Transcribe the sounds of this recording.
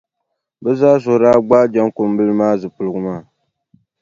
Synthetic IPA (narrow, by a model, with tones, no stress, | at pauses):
bɛ˦zaː˦zʊ˨ɾaː˦ɡ͡ba˦d͡ʒa˦ŋko˨m˦bɨ˦lɨ˦maː˦zɨ˨pʊ˨lɨ˨ɡɨ˨maː˦˨